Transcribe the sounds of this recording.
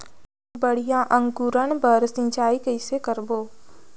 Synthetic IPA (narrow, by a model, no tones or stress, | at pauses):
bəɽ̤ijãʔə̃ŋkuːɾənpəɾsɪ̃t͡ʃaːikəɪsekəɾboː